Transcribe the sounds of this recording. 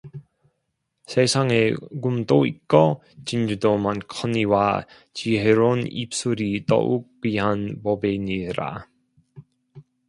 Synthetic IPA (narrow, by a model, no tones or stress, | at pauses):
sʰesʰaŋeɡumt͈oik͈ʌ | t͡ɕind͡ʑudomankʰʌniwa | t͡ɕiɦeɾonḭp̚s͈uɾitʌ̰ʔuk̚piɦanpʌbeɲiɾa̰